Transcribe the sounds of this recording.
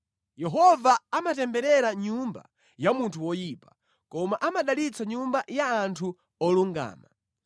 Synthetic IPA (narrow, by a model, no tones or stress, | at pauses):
jɛɦɔvaːmatɛmbɛɾɛɾaɲumba̰ | jamuntʰuwɔjipḁ | kɔmaʔamaɗalit͡sʰaɲumbajaːntʰu | ɔluŋɡa̰ːma